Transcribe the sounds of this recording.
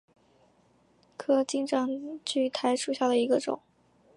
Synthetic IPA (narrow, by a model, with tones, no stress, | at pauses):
kʰɤ˥t͡ɕi˥˧ŋʈ͡ʂɑ˥˩ŋt͡ɕy˥˩t̪ʰa˧˥ɪʂu˨˩ɕja˥˩d̪ə˩i˧˥ɡə˧ʈ͡ʂʊ̰˨˩˦ŋ